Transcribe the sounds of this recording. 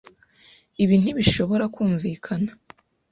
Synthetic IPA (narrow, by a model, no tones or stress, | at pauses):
iβin̥iβiʃo̞βo̞ɾakuːɱviːkʰana